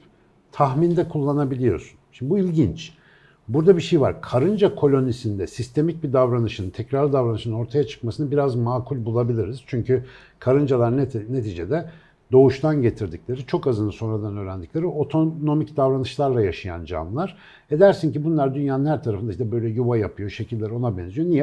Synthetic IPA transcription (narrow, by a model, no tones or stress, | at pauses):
t̪ʰaxmind̪ɛkʰulˠːanabilʲijo̞̰sunʃibuilʲɟint͡ʃ | buɾd̪abiʃejva̰ɾkʰaɾɯnd͡ʒakʰo̞lʲo̞nisind̪ɛsist̪ʰe̞mic̚bid̪avɾanɯʃɯnɯnt̪ʰɛcɾaɾlʲˠid̪avɾanɯʃɯnɯno̞ɾt̪ʰajat͡ʃʰɯ̥kmasɯnabiɾazmaːkʰulʲbulˠabilʲiɾiz̥t͡ʃʰyɲcy | kʰaɾɯnd͡ʒalˠaɾnne̞t̪ʰid͡ʒed̪ɛ | d̪o̞uʃt̪ʰanɟe̞t̪ʰiɾd̪iclʲe̞ɾit͡ʃʰo̞kazɯnˠɯso̞nɾad̪anø̞ːɾænd̪iclʲe̞ɾio̞t̪ʰono̞micd̪avɾanɯʃlˠaɾlˠajaʃɯja̰nd͡ʒa̰nlˠaɾ̥ | ed̪æɾsincibunlˠaɾd̪ynjaːnɯnhæɾt̪ʰaɾafɯnd̪aid̪ɛbø̞jlʲɛjuvajapʰɯjo̞ʃe̞cʰilʲːeɾo̞nabɛnzyjo̞nijɛ